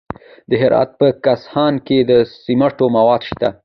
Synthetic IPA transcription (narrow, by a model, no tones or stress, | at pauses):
d̪əɦɪɾɑ̰t̪̚pəkashɑnked̪əsimaʈomawɑd̪ʃt̪a